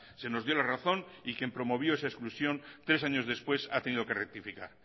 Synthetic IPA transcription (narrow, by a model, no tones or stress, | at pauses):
se̞no̞zðjo̞laraθõ̞nikjempɾo̞mo̞β̞jo̞esaesklusjo̞nt̪ɾe̞s̬aɲo̞zðe̞spwe̞sat̪e̞niðo̞ke̞rek̚t̪ifikaɾ